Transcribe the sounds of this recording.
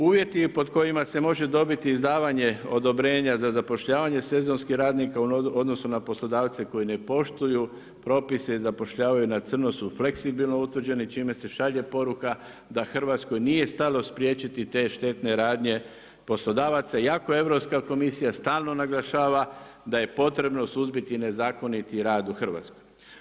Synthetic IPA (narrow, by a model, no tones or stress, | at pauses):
uːʋje̞t̪ipo̞d̪ko̞imase̞mo̞ʒe̞d̪o̞bit̪iːzd̪aːʋaɲe̞o̞d̪o̞bɾe̞ːɲazazapo̞ʃʎaːʋaɲe̞se̞zo̞nskixɾaːd̪nikauod̪no̞sunaposlˠo̞d̪aːʋt̪se̞ko̞jine̞po̞ʃt̪uju | pɾo̞ːpise̞izapo̞ʃʎaːʋajunat̪sɨr̩nosufle̞ksibilˠno̞ut̪ʋr̩d͡ʑe̞nit͡ʃime̞se̞ʃaʎe̞po̞ɾuka | d̪axr̩ʋat̪sko̞jnije̞st̪alo̞spɾije̞ːt͡ʃit̪it̪e̞ʃt̪e̞t̪ne̞ɾaːd̪ɲe̞ | po̞slo̞d̪aːʋat̪sajako̞e̞ʋɾo̞pskako̞misijast̪aːlˠno̞naɡlˠaʃaːʋad̪aje̞po̞t̪ɾe̞bno̞suzbit̪ine̞zaːko̞nit̪iɾaːd̪uxr̩ʋa̰t̪skoj